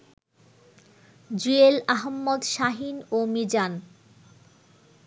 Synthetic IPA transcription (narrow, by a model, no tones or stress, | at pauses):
d͡ʑuelaɦmːod̪ʃaɦinomid͡ʑan